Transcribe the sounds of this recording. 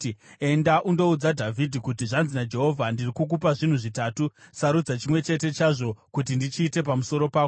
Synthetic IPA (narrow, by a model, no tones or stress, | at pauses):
e̞ndaʔundo̞ud͡zadʱavʱidʱikutiʐanzinad͡ʒe̞ɦo̞vʱandirikuk̬upaʐin̤uʐitaːtusaɾud͡zat͡ʃimwe̞t͡ʃe̞te̞t͡ʃaʐo̞kut̬indit͡ʃiːte̞p̬amuso̞ɾo̞paːko